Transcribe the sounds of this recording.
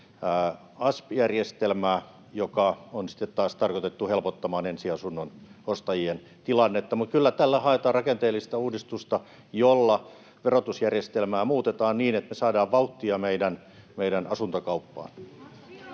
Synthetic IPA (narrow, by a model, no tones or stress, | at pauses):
ɑspjærjest̪elmæː | jokɑonsi̥t̪ːet̪tɑːst̪ɑrkot̪et̪ːuhelpot̪ːɑmɑːnensiɑsunːonost̪ɑjien | t̪ilɑnːet̪ːɑmut̪̚kylːæt̪ælːæhɑet̪ɑːrɑkent̪eːlːist̪ɑuːdist̪ust̪ɑ | jolːɑ | ʋerot̪usjærjest̪elmæːmuːt̪et̪ɑːnniːnet̪mesɑːdɑːʋʋɑut̪ːiɑmeidæn | meidænɑsunt̪okɑupːɑ̰ːn